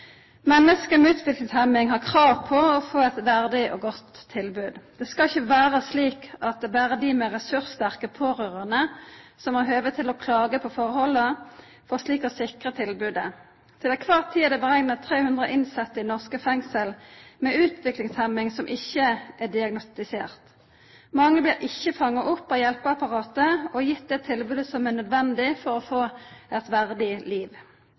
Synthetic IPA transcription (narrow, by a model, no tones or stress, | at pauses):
mɛnːəskəmɛʉːt̪ʰʋɪklɪŋshæmɪŋhɑʁkʰʁɑːʋpʰɔɔfoːɛt̪ʋæʁd̪ɪʔɔɡɔt̪ʰːɪlbʉːd̪d̪̥ɛskɑɪçəʋæːʁəsliːkɑt̪̚d̪ɛbæːʁəd̪ɪmɛʁɛsʉʁst̪æʁkəpʰoːʁøːʁəʁnəsɔmɑɦøːʋət̪ʰɪlɔkʰlɑːɡəpʰɔfɔʁhɔlːə | fɔʁsliːkɔsɪkʁət̪ʰɪlbʉːd̪ə | t̪ʰɪlɛkʰʋɑʁt̪ʰiːəɑd̪ɛbəʁɛŋnət̪ʰʁeːhʉnd̪ʁəʔɪnsɑt̪ːɪnɔʁskəfɛŋsəlmɛʉːt̪ʰʋɪklɪŋshɛmɪŋsɔmʔɪçːəæd̪ɪɑɡnʊst̪ɪsḛːʁt̪ | mɑŋːəbliːʁʔɪçːəfɑŋːɑʔʊpːɑjɛlpəɑpɑʁɑːt̪əɔjɪt̪̚d̪ɛt̪ʰɪlbʉːd̪əsɔmæʁnœd̪ʋɛnd̪ɪfɔʁɔfoːɛt̪ʋæʁd̪ɪliːʋ